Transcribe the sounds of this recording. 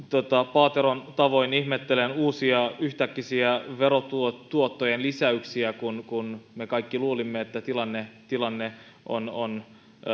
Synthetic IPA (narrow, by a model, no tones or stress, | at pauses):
t̪ot̪ɑpɑːt̪eɾont̪ɑʋo̞inihmet̪ːelenuːsiɑyht̪ækːisiæʋe̞ɾot̪uot̪uot̪ːojenlisæyksiækunkunmekɑikːiluːlimːeet̪ːæt̪ilɑnːet̪ilɑnːe | ʔo̰non